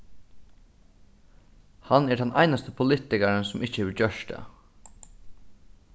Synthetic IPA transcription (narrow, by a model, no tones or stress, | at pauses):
hanɛɖɛnʔa̰ɪnast̪əpʰʊlɪt̪ɪkaɾənsʊmɪçt͡ʃəhɛːʋɪt͡ɕœʂt̪ə̰